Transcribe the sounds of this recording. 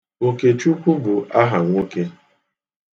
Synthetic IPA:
o˨ke˨t͡ʃu˦kʷu˦bu˨ʔa˦ɦa˨ŋʷo˦ke˦

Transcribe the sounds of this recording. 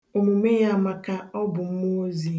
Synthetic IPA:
o˨mu˨me˦ja˦˨ma˨ka˦ɔ˦bʊ˨m̩˦mʊ˦o˦zi˦

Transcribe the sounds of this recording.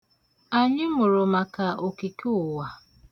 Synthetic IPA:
a˨ɲɪ˦mʊ˨ɾʊ˨ma˨ka˨o˨ki˨ke˦ʊ˨wa˨

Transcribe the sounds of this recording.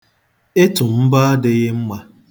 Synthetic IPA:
e˦tʊ˨m̩˦ba˦a˦dɪ˦ɣɪ˦m̩˦ma˦

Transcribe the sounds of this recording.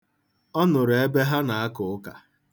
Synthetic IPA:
ɔ˦nʊ˨ɾe˦be˦ɦa˦na˨a˦kʊ˨ʊ˦ka̰˨

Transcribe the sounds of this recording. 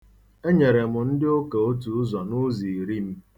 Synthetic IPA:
e˦ɲe˨ɾe˨mʊ˨n̩˦dɪ˦o˦ke˨o˦tu˨˦zɔ˨nʊ˦zi˨ɾi˦m̩˦

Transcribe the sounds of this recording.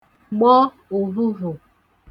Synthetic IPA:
ɡ͡bɔ˦ | o˨ɾu˦ɾo˨

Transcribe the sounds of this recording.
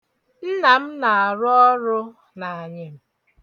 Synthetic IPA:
n̩˦na˨m̩˦na˨a˨ɾʊ˦ɔ˦ɾʊ˦ | na˨a˨ɲɪ˦m̩˦

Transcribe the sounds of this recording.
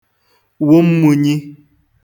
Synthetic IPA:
wo˦m̩˦mu˨ɲi˦

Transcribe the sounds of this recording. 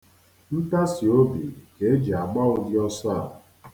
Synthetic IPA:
n̩˦ta˦si˨o˦bi˨ke˨e˦d͡ʒi˨a˨ɡ͡ba˦ʊ˨dɪ˦ɔ˦sa˦˨

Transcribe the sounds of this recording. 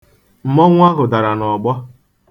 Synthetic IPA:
m̩˨mɔ˦ŋʷ˦a˦ɦʊ˨da˨ɾa˨nɔ˨ɡ͡bɔ˦

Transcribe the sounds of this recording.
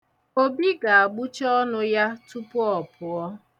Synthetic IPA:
o˦bi˦ɡa˨a˨ɡ͡bu˦t͡ʃɔ˦nʊ˦ja˦tu˦pʊ˦ɔ˨pʊ˨ɔ˦

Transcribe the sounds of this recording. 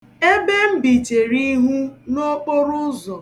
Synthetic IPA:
e˦be˦m̩˦bi˨t͡ʃe˨ɾi˦ɦu˦no˦k͡po˦ɾʊ˦zɔ˨

